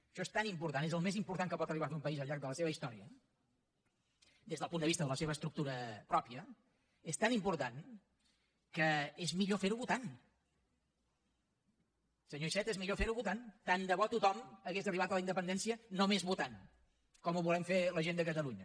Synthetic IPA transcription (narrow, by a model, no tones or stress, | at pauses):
əʃɔest̪animpuɾt̪anezəlˠmezimpuɾt̪aŋkəpɔt̪əriβaumpəizəlˠʎaɾk̚d̪ələseβəist̪ɔɾiə | d̪ezðəlˠpund̪əβist̪əðələseβəst̪ɾuk̚t̪uɾəpɾɔpiə | est̪animpuɾt̪an | kəezmiʎofeɾuβut̪an | səɲoisɛt̪ezmiʎofeɾuβut̪ant̪and̪əβɔt̪ut̪ɔməɣezəriβat̪ələind̪əpənd̪ɛnsiənomezβut̪an | kɔmuβulɛmfeləʒend̪əkət̪əluɲə